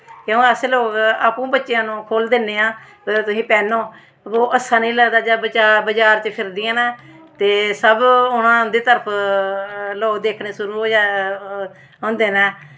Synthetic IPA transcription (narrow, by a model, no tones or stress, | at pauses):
kõːəsloːkaːpũːbətːʃejãːnũːkʰoːld̪eːnːeːãː | ət̪ʊsĩːpɛːnõː | ʋoːʔəsːãːnĩːləːd̪aːd͡ʒaːbət͡ʃaːbəd͡ʒaːɾt͡ʃəpʰɪɾd̪iːãːnɛː | t̪eːsəbʊnãːd̪iːt̪əɾəpʰ | loːkd̪eːkʰneːsʊɾuːɦoːd͡ʒa | ɦʊ̃ːnd̪eːnɛː